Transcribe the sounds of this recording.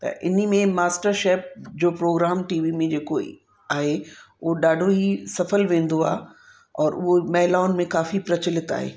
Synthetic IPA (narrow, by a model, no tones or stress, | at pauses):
t̪ɐ̰ʔɪ̰nmẽmaːsʈəɾʃeːp̚d͡ʑoːpɾoːɡɾaːmʈiːʋimẽd͡ʑeːko | aːɦeʊɦoɗaːɖʱoɦisɐfəlʋẽːn̆d̪oa̰ːɦ | ɔːɾʔʊɦomɐɦɪlaːʊnmẽkaːfipɾɐt͡ɕɪlɪt̪a̰ːɦḛː